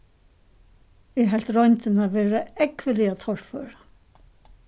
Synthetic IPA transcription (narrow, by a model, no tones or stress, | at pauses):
ɛɦɛl̥t̪ɾɔjnt̪ɪnaʋeːɾaɛkʋɪlɪat̪ʰɔɹføːɾḁ